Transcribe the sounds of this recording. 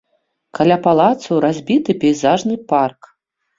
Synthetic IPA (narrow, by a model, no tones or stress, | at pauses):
kalʲapalˠat̪sɐwɾazʲbʲit̪ɨpʲɛjzaʐnɨpark